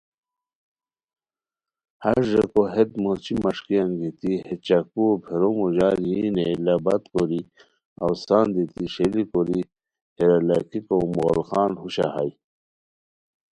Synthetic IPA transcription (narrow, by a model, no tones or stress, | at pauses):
haɾʐekoɦet̪moɾt͡ɕimɐʂkiɐŋɡit̪ihet͡ɕakuopʰeɾomoʑaːɾjinelabat̪koɾi | awsaːnd̪it̪iʂelikoɾi | heɾalakikomuɣɐ̰lxaːnhuɕa̰ɦa̰j